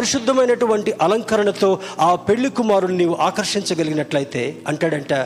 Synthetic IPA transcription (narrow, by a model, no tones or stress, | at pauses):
pɐɾiʂud̪ʱːɐmɐjnɐʈuʋɐɳʈiʔɐlɐŋkɐɾɐɳɐt̪o̞ːaːpe̞ɭːikumaːɾulniːʋuʔaːkɐɾʂiɲt͡ʃɐɡɐliɡinɐʈlɐjit̪e̞ːɐɳʈaːɽɐɳʈaː